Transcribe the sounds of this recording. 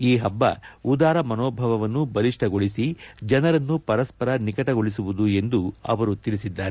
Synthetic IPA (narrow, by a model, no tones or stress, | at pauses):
iːɦɐbːɐ̰ud̪aːɾɐmɐnoːbʱɐʋɐʋɐnːubɐliʂʈɐɡoɭisid͡ʒɐnɐɾɐnːupɐɾɐspɐɾɐnikɐʈɐɡoɭis̬uʋud̪ue̞nd̪uɐ̰ʋɐɾut̪iɭisid̪ːaːɾe